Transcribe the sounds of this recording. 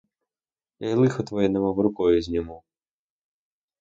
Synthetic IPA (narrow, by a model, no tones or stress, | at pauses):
ɐjlˠɪxɔt̪ʋɔjɛnɐmaʋɾʊkɔjʊzʲnʲɔmu